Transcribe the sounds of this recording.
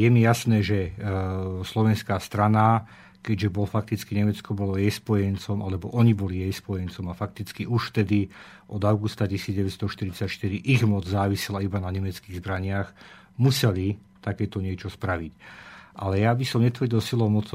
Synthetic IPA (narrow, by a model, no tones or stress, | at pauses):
jɛmijasnɛːʒɛ | slɔʋɛnskaːst̪ɾana | kɛɟʒɛbɔlɔfak̚t̪it͡skiɲɛmɛt͡skɔbɔlɔjɛjspɔjɛnt͡sɔmʔalɛbɔʔɔɲibɔlijɛjspɔjɛnt͡sɔmafak̚t̪it͡skiʔuʃft̪ɛd̪i | ʔɔd̪aʊɡust̪acisiːd͡zɟɛʋɛt̪st̪ɔʃt̪iɾit͡sacʃt̪iɾiʔiɣmɔd͡zzaːʋisɛlaibanaɲɛmɛt͡skiːɣzbɾaɲɪaɣ | musɛli | t̪akɛːt̪ɔɲɪɛt͡ʃɔspɾaʋicʔalɛjabisɔmɲɛt̪ʋr̩ɟilsilɔmɔt͡s